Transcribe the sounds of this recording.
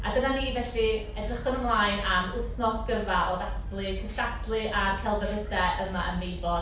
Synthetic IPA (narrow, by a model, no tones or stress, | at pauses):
a̰ɡənaniːvɛɬi | ɛdrɪχənəmlˠaːjnaməθnɔsɡ̥əvaʔoðaflˠɨkʰəsatlˠɨʔarkʰɛlˠvɛnədɛʔəmaʔənmejbɔ